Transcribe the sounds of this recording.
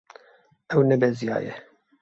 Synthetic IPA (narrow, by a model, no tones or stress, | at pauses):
ɛwnɛbɛzijɑ̰ːjɛ̰